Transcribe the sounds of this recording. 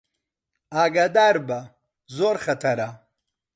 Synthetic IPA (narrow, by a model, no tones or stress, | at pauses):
aːɡad̪aːɾbɐ | zoːɾχɐt̪ʰɐɾa